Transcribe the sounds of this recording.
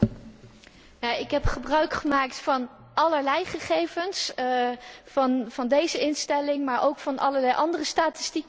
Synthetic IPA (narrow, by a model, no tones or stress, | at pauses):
jaɪkɦɛpχəbrœɥkχəmaːktfɑn | ɑləɹlɛjχəχejvəns | fɑnvɑndejzəɪnstɛlɪŋmaːɹʔowkfɑnʔɑ̰ləɹlɛjʔɑndərəstaːtɪ̥stik